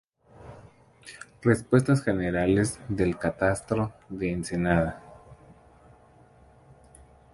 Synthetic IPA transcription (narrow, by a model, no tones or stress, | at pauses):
respwe̞st̪asxeneɾale̞zðe̞lkat̪ast̪ɾoðeːnsenaða